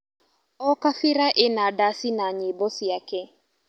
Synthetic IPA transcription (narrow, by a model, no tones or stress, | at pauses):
ɔkafɪɾaʔɪnadasɪnaɲebɔsiakɛ